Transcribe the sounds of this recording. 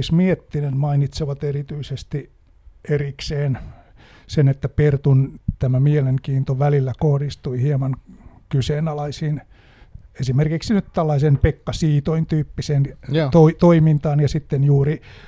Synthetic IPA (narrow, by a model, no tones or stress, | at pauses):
ismiet̪ːinenmɑinit̪seʋɑt̪erit̪yisest̪i | erikseːn | senet̪ːæpert̪unt̪æmæmieleŋkiːnt̪oʋælilːækohdist̪uihiemɑnkyseːnɑlɑisiːn | esimerkiksinyt̪t̪ælːɑisenpekːɑsiːt̪oint̪yːpːisent̪oit̪oimint̪ɑːnjɑsit̪ːenjuːri